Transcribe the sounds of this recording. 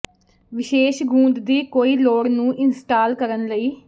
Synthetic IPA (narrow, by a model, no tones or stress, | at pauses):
ʋɪʃeːʃɡũːnd̪d̪iːkoːiːloːɽnũːʔɪnsʈaːlkəɾənləiː